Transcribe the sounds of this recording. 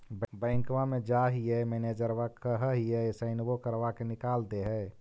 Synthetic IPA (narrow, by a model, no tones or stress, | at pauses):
bbə̃ɪ̃kʋamed͡ʒaɦijɛmened͡ʒəɾʋakəɦəɦijɛsəɪnbokəɾʋakenikald̪eɦɛ